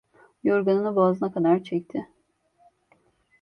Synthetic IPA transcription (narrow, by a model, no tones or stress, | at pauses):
joɾɡanɯnabaːzɯnakad̪aɾt͡ʃʰɛc̚t̪ʰɪ